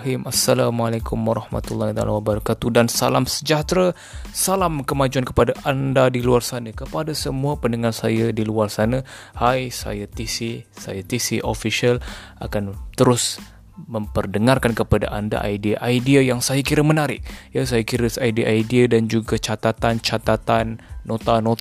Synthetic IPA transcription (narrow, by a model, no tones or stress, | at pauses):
himasːalamalakʊmwaɾɑhma̰t̪ulːahit̪a̰lawabəɾakat̪udansalamsəd͡ʒat̪ɾa | salamkəmad͡ʒuankəpadaʔandadiluarsanəkəpadasəmuapəndəŋarsajadiluarsanə | hajsa̰jat̪isisa̰jat̪isiʔofiʃiala̰kant̪əɾʊs | məmpərdəŋarkankəpada̰ʔanda̰ʔa̰jdiaʔajdiajaŋsajakiɾəmənaɾɪk̚jasajakiɾəsajdiaʔajdiadand͡ʒuɡat͡ʃat̪at̪ant͡ʃat̪at̪anːot̪ano